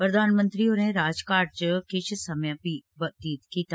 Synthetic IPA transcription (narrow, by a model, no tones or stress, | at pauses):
pɾəd̪ʱaːnmə̃nt̪ɾioːɾnẽɾaːd͡ʒkaːɾt͡ʃkɪt͡ʃʰsɐmjãpibəd̪iːt̪kiːt̪a